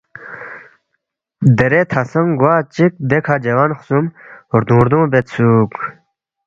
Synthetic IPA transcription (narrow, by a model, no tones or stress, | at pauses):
d̪eɾet̪ʰasəŋɡwaːt͡ɕik̚d̪ekʰad͡ʑewanχsumɾd̪ũːɾd̪õːbet̪t͡sʰuːk